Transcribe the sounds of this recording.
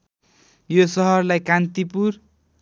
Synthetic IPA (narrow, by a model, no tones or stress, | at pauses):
josʌɦʌrlajkant̪ipur